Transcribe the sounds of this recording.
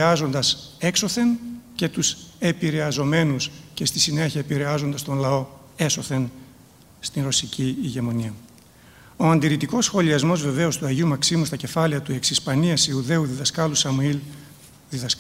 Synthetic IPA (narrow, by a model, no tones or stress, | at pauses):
ɐzo̞nd̪ɐse̞kso̞θe̞nce̞t̪use̞piɾe̞ɐzo̞me̞nusce̞st̪i̥sine̞çiɐepiɾe̞ɐzo̞nd̪ɐst̪onlɐo̞ | e̞so̞θe̞n | st̪inɾo̞siciiʝe̞mo̞niɐ | o̞ɐnd̪iɾit̪iko̞sxo̞liɐzmo̞zve̞ve̞o̞st̪uɐʝiumɐksimust̪ɐce̞fɐliɐt̪ue̞ksispɐniɐsiuðe̞uðiðɐskɐlusɐmuil | ðiðɐs